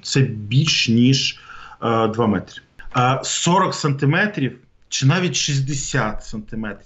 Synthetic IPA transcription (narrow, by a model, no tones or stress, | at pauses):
t̪sɛbʲilʲʃnʲiʒ | d̪ʋɑmɛt̪ɾʲi | sɔɾɔksɐnt̪ɪmɛt̪ɾʲiw | t͡ʃɪnɑʋʲitʲʃizʲd̪esʲat̪sɐnt̪ɪmɛt̪ɾʲi